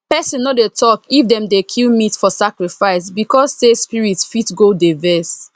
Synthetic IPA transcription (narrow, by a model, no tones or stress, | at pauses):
pɛsɔ̃nodetʰɔkifdɛ̃mdekʰilmitfɔsakɹifaɪs̬bikɔssespiɹitsfitɡodavɛs